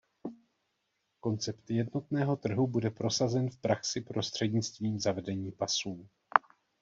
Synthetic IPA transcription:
ko̞nt͡sɛpt̪jɛdno̞t̪nɛːɦo̞t̪r̩ɦubudɛpɾo̞sazɛnfpɾaksɪpɾo̞st̪r̥ɛdɲɪt͡st̪viːmzavɛdɛɲiːpasuː

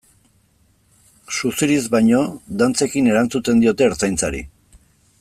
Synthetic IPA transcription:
susiɾizbajɲo̞d̪ant͡se̞kine̞ɾant͡sut͡s̪e̞nd̪io̞t̪e̞ːɾt͡sajnt͡saɾḭ

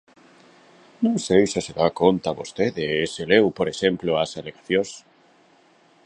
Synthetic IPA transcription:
nõŋsejsɪseðakont̪aβost̪eðeːselewpoɾeʃemploasaleɣaθjõs

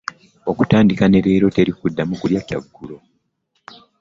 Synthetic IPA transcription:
o̞kutaːndikane̞ɾe̞ːɾo̞te̞ɾikudːamukuljaca̰ɡːulo̞

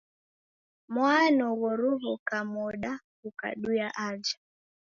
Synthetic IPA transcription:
mwanɔɣɔɾuɦɔkamɔɗa | uka̰ɗujaʔad͡ʒa

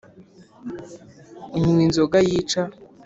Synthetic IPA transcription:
iɲuwinzoɡajiːt͡ʃa

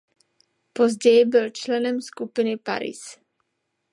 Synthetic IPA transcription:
po̞zɟɛjɪbɪlt͡ʃlɛnɛmskupɪnɪpa̰ɾḭs

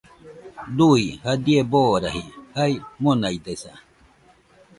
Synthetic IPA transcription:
d̪uihad̪ieboːɾa̰hihajmonaid̪esa

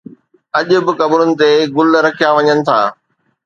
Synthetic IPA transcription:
ɐʄʊ̆bɪkɐbɾʊnɪ̆t̪eɡʊlɾɐkʰijaʋɐɲənɪ̆t̪ʰa̰ː

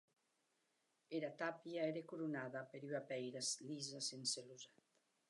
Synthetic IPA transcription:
eɾat̪apiaeɾekuɾunaðapeɾyapɛjɾaslizasenseluzatt̪

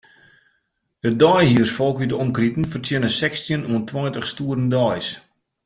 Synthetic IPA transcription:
ət̚dɔjɦiərsfɔlˠkytɔmkritən̩fərtʰjɪnəsɛksjənuəntʰwɔjtəχstuːəɾəndɔjs

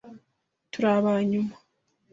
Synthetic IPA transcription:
tuɾaβaɲuma

